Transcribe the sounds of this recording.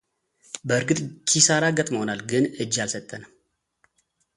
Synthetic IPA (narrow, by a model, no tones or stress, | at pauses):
bəɨɾɡɨt̪ʼkʰisaɾaɡət̪ʼməhonalɡɨnɨd͡ʒːalsət̪ʼːənə